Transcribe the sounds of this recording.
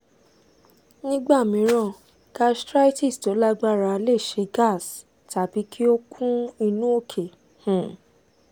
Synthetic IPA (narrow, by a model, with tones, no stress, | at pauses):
nĩ˦ɡ͡ba˦˨mĩ˨˦ɾ̃ã˦˨ | ɡa˦stɾa˦i˦ti˦˨sto˨˦la˦ɡ͡ba˦˨ɾa˧le˦˨ʃe˨˧ɡa˦˨s | ta˨bi˨˦kʰi˦o˦kʰũ˦i˧nũ˦o˦˨kʰe˨ | hũ˨